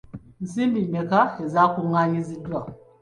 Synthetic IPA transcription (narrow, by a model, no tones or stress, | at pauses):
zibimekaezakuŋaɲizidua